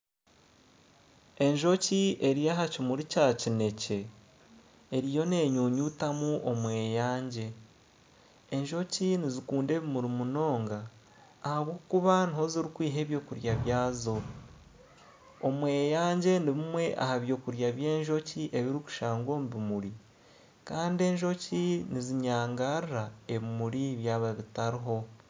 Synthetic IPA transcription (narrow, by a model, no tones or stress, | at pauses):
e̞ɲʒo̞cie̞ɾijaɦacimuɾicaːcine̞ce̞ | ɾijo̞ne̞ːɲuːɲutamuʔomwe̞ːjaːɲɟe̞ | ɲʒo̞cinizikuːndeːβimuɾimuno̞ːŋɡaː | haβwoːkuβaniho̞ziɾikwiːɦe̞ːβjo̞ːkuɾjaβjaːzo̞ | omwe̞ːjaːɲɟe̞niβimwe̞ʔa̰haβjo̞ːkuɾjaβje̞ːɲʒo̞ciʔe̞βiɾiku̥ʃaːŋɡo̞ːmbimuɾi | kaːndie̞ɲʒo̞ciniziɲaːŋɡaɾiɾae̞βimuɾiβjaːβaβitaɾiɦo̞